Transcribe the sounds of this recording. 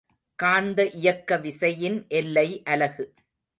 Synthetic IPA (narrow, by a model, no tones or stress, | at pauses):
kaːnd̪ɐʔɪjɐkːɐʋɪsɐjɪnʔɛlːɐɪʔɐlɐɣɯ